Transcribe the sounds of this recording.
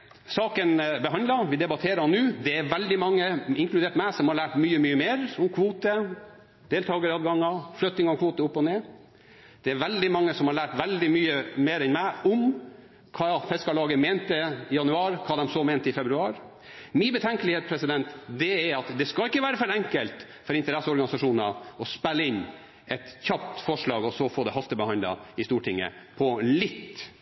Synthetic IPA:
sɑːkənbəɦɑnd̪lɑʋɪd̪ɛbɑt̪ʰeːɾəɑnːʉːd̪ɛæɾʋɛld̪ɪmɑŋːəɪŋkʰlʉd̪eːʈmæɪsɔmhɑɭæːʈmyːəmyːəmeːɾɔmkʰʋuːt̪ə | d̪̥eːlt̪ʰɑːɡəɾɑːd̪ɡɑŋːɑflœt̪ːɪŋɑɔkʰʋoːt̪əʊpːɔneː | d̪̥ɛæɾʋɛld̪ɪmɑŋːəsɔmhɑɾɭæːʈʋɛld̪ɪmyːəmeːɾɛnmæɪɔm | kʰɑːfɛskɑlɑːɡəmɛnt̪əɪjɑnʉɑːɾkʰɑːd̪ɛmsɔmɛːnt̪əɪfɛbɾʉɑːɾ | mɪbət̪ʰɛŋkəlɪheːt̪spʰɾɛsɪd̪ɛnt̪d̪ɛæɑt̪d̪ɛskɑɪkːəʋæːɾəfœɾɛŋkəlt̪ | fɔɾɪnt̪əɾɛsːəɔɾɡɑnɪsɑʂuːnɑɔspɛlːəɪnː | ɛt̪çɑp̚t̪fɔʂɭɑːɡɔsɔfoːd̪ɛɦɑst̪əbəhɑnd̪lɑ̰ɪst̪uːʈʰɪŋːə̰pʰɔlɪt̪ː

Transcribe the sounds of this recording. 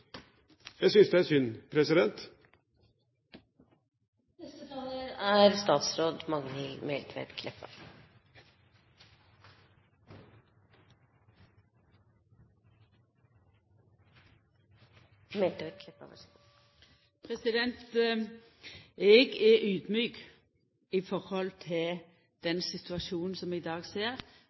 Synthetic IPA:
jæɪsʏnsd̪ɛæsʏnpʰɾɛsɪd̪ɛnt̪ | nɛst̪ət̪ʰɑːləæɾst̪ɑːt̪sɾoːd̪mɑŋnɪlmɛlt̪ʰʋɛ̰t̪kʰlɛpːɑ̰ | mɛlt̪ʋɛt̪̚kʰlɛpːɑ̰ʋɑ̰ | pʰʁɛsɪd̪ɛnt̪ | ʔɛɡɛʔʉːd̪myːk | ɪfɔɾhɔlt̪ʰɪl | d̪̥ɛnsɪt̪ʉɑʃuːnn̩sɔmɪd̪ɑːɡseːɾ

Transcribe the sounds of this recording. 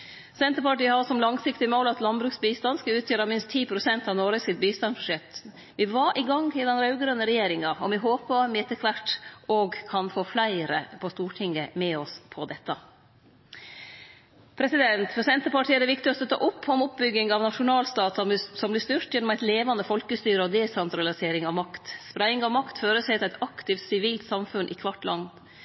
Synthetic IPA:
sɛnt̪əpɑʈiːəhɑsɔmlɑŋsɪkt̪ɪmoːlɑt̪lɑnbɾʉːksbiːst̪ɑnskəʉːt̪ʰjøːɾɑmɪnst̪ʰiːpʰɾʊsɛnt̪ɑʋnɔːɾəsɪt̪̚biːst̪ɑnsbʂɛt̪ː | ʋɪʋɑɾʔɪɡɑŋɪd̪ɛnɾɑʉɡɾœnəɾɛjeːɾɪŋɑɔmʋɪɦoːpəmɛɛt̪əkʰʋæʈːɔɡkʰɑnfoːflæɪɾə̰pʰɔst̪uːʈʰɪŋːəmɛɔspʰɔd̪ɛt̪ːɑ | pʰɾɛsɪd̪ɛnt̪fɔsɛnt̪əpɑʈʰiːəd̪ɛɾʋɪkt̪ɪɔst̪ɔt̪ʰɑ̰ːʔʊpːɔmʊp̚bʏɡɪŋɑʋnɑʂʊnɑːlst̪ɑːt̪ssɔmblɪst̪ʏɾʈ̪jɛnːɔmæɪt̪leːʋɑnəfɔlkəst̪yːɾəɔd̪ɛsɛnt̪ɾɑlɪseːɾɪŋɑʋmɑkt̪spɾæɪŋɑʋmɑkt̪føːɾəsɛɪt̪ɪlæɪt̪ɑkt̪ɪft̪sɪʋiːlt̪sɑmfʉnʔɪkʰʋɑʈːlɑn

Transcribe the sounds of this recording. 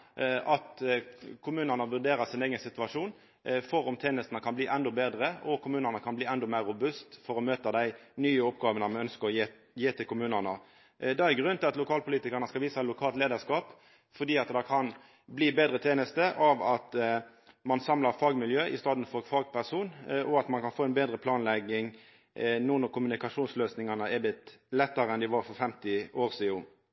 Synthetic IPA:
ʔɑt̪kʰʊmʉːnənəʋʉʁd̪eːɾəsɪneːɡənsɪt̪ʋɑʂuːn | fɔɾɔmt̪ʰeːnəst̪nəkʰɑnbliːʔɛnd̪ɔbeːd̪ɾəɔkʰʊmʉːnəʁnəkʰɑnbliːɛnd̪ɔmæʁːʊbʉst̪fɔɾɔmøːt̪əd̪æɪnyːəɔpɡɑːʋənəmɛœnskəʁɔjeː | jeːt̪ɪlkʰʊmʉːnənə | d̪ɛæɾɡʁʉnːt̪ʰɪlɑt̪lʊkʰɑːlpʰʊliːt̪ɪkəʁɳəskɑʋiːsɑɛt̪lʊkʰɑːlt̪leːd̪əskɑːp | fɔɖ̪iːɑt̪d̪ɑkʰɑn | bliːbeːd̪ʁət̪ʰeːnəst̪əʔɑʋɑt̪ | mɑnsɑmləʁfɑːɡmɪljøːʔɪst̪ɑːd̪n̩fɔʁfɑːɡ̚pæʁsuːnʔɔɑt̪mɑnkɑnfoːɛnbeːd̪ʁəpʰlɑːnlɛɡɪŋ | nuːnɔkʰʊmʉnɪkɑʂuːnsløːsnɪŋɑnəɛb̪ɪt̪lɛt̪ːəɾəɛnd̪ɪʋɑɾfɔɾfɛmt̪ɪoːʁsiːʊ

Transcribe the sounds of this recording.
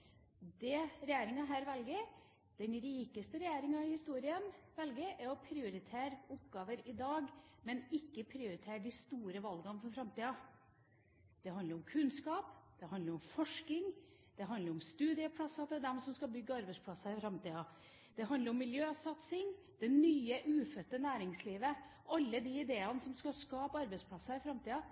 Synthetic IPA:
d̪ɛɾɛjæːɾɪŋɑɦæːɾʋɛlɡə | d̪̥ɛnɾiːkəst̪əɾɛjæːɾɪŋɑɪhɪst̪uːɾɪənʋɛlɡəʔæɾɔpʰɾɪʊɾɪt̪ʰæːɾʊpɡɑːʋəɾɪd̪ɑːɡmɛnɪkːəpʰɾɪʊɾɪt̪ʰeːɾɖɪst̪uːɾəʋɑlɡɑnfɔfɾɑmt̪iːɑ | d̪̥ɛɦɑnəɾɔmkʰʉnskɑːpd̪̥ɛɦɑnd̪əɾɔmfɔʂkɪŋd̪̥ɛɦɑnd̪əɾɔmst̪ʉːd̪ɪəpʰlɑsɑd̪ɛd̪ɛmsɔmskɑbʏɡːəɑɾbɛɪspʰlɑsɑɪfɾɑmt̪iːɑ | d̪̥ɛɦɑnd̪əɾɔmːɪljøːsɑt̪sɪŋ | d̪̥ɛnyːəʔʉːfœt̪ːənæːɾɪŋsliːʋə | ʔɑlːəd̪iːɪd̪eːɑnəsɔmskɑskɑːpɑɾbɛɪspʰlɑsɑɪfɾɑmt̪iːɑ

